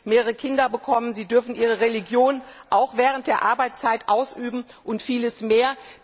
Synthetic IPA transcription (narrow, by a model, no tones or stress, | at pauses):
meːʁəʁəkʰɪndɐbəkʰɔmənziːdʏɐfn̩ʔiːʁ̞əʁeliɡjoːnʔaʊxv̥ɛːʁ̞ənt̚d̥eːɐʔaɐbaɪt͡st͡saɪtʔaʊsʔyːbm̩ʔʊntfiːləsmeːɐ